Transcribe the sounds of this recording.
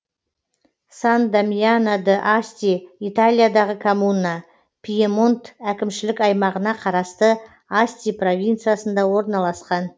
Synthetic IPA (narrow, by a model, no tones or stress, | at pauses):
sand̪amjanad̪əʔasʲt̪ʲiit̪alʲijad̪ɑʁəkʰomunːa | pʲʰijemont̪ækʲɪmʃɪlɪkʲɑjmɑʁənɑqʰɑɾɑst̪ə | asʲt̪ʲipro̞vʲint̪sɨjasənd̪ɑwo̞ɾnɑlˠɑsqɑn